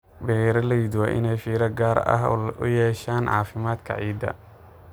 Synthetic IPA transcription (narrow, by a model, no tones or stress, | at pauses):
bɛɾɐlɐjid̪waːʔɪ̰nɛjfiːɾɐɡaːɾɐ̰ɦʊ̰jɛːʃaːnʕɑ̰ːfɪmaːd̪kʰɐ̰ʕiːd̪ɐ̰